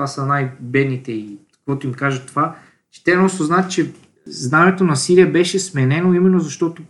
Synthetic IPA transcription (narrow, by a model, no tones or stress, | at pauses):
vasənajbɛd̪nit̪ɛikkvɔt̪oimkaʒət̪ova | t͡ʃɛ̥t̪ɛnɔst̪oznaət̪t͡ʃɛ | znanɛt̪onɐsiɾiəbɛʃɛsmɛnɛnoimɛnːozɐʃt̪ɔt̪o